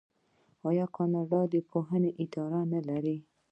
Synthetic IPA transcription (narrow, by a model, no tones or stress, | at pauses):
ɑjɑkɑnɑɖɑd̪əpʰoɦəneʔɪt̪ɑɾanalaɾi